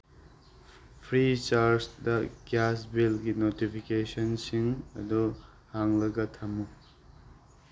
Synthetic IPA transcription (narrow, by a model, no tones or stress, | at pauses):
pʰɾit͡ʃaɾsdɐɡasbilɡinotipʰikesɐnsiŋɐ̰du | haŋlɐɡɐtʰɐmu